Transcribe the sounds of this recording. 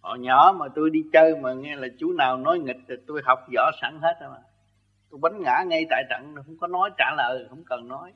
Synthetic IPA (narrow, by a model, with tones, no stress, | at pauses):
hɔ̰˧˨ɲɔ̰˧˩˦maː˨˩t̪u˧jɗi˧t͡ɕəː˧maː˨˩ŋɛ˧laː˨˩t͡ɕu˨˦naː˨˩wnɔ˨˦jŋï˨˩k̚ːt̪u˧jha˨˩wk͡p̚zɔ̰˧˥sa̰˧˩ŋhe˦˥t̚ːmaː˨˩ | t̪u˧jɓa˨˦ŋ̟ŋa̰ː˧˥ŋa˧jt̪a̰ː˧˨jt̪ə̰˧˨ŋ˨˩hə̰˧˥wŋ͡mkɔ˨˦nɔ˨˦jt͡ɕaː˧˩lə̰ː˨˩jhə̰˧˥wŋ͡mkə˨˩nːɔ˨˦j